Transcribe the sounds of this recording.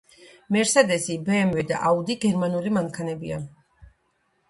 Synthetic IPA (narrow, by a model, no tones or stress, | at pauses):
mɛɾsad̪ɛsibɛːmwɛd̪a̰ʔaud̪iɡɛɾmanulimaŋkʰanɛbḭa̰